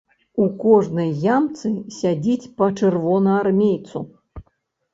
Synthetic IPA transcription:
ukɔʐnɨjːamt̪sɨsʲad͡zʲit͡sʲpɐt͡ʂɨrvɔnɐarmʲejt̪su

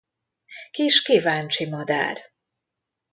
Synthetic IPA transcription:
kiʃkivaːnt͡ʃimɒd̪a̰ːr

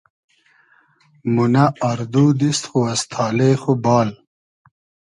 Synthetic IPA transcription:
munaːɾd̪uːd̪ist̪xuɐst̪ʰɑːleːxobɑːl

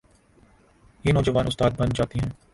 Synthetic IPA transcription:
jeːnɔːd͡ʒəʋaːnʊst̪aːd̪̚bɐnd͡ʒaːt̪iɦɛ̃ː

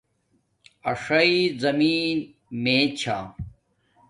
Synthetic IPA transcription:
ɐʂɐizɐmiːn | meːt͡ɕʰa̰ː

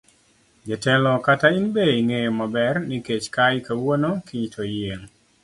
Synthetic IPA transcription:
d͡ʒɛtɛlɔkatainbeiŋejɔmabɛrniket͡ʃkajkawonokiɲtʰojeŋ

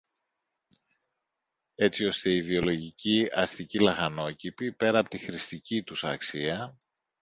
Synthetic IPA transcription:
e̞t͡sio̞st̪e̞ivio̞lo̞ʝiciɐst̪icilɐxɐno̞cipipe̞ɾɐːpo̞̥t̪ixɾist̪icit̪usɐ̰ksiɐ

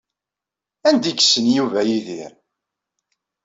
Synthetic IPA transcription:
ænd̪iɡsənjuvæjiðiɾ

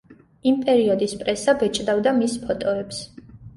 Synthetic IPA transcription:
impʼɛɾiɔd̪ispʼɾɛsabɛt͡ʃʼd̪avd̪amispʰɔt̪ʼɔɛps

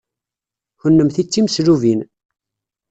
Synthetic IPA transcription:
hʊnːəmθit͡sːiməsɾuvin

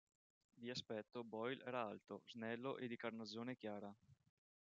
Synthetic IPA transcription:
d̪iaspɛt̪ːobɔjlɛ̰ːɾaalt̪oznɛlːoʔed̪ikarnazːoːnek̟jaːɾa

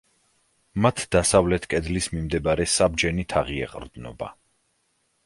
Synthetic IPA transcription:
mat̪ʰd̪̥asavlɛt̪ʰkʼɛd̪lismimd̪ɛbaɾɛsabd͡ʒɛnit̪ʰaʁiɛ̰qʼɾd̪nɔ̰ba̰

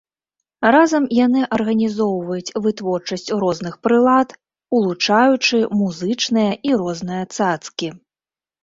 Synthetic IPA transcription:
razɐmjanɨʔɐrɣɐnʲizɔwvɐjut͡sʲvɨt̪vɔrt͡ʂɐsʲt͡sʲɾɔznɨxpɾɨlˠat̪ | ulˠut͡ʂajut͡ʂɨmuzɨt͡ʂnɨjɐʔiɾɔznɨjɐt̪sat̪skʲi

